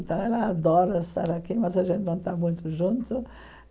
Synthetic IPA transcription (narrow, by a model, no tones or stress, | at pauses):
nt̪ɐ̃w̃ɛlɐad̪ɔɾɐɪst̪a̰ɾakimɐzaʒẽnt̪ɪnɐ̃w̃t̪amũj̃t̪ʊʒũnt̪ʊ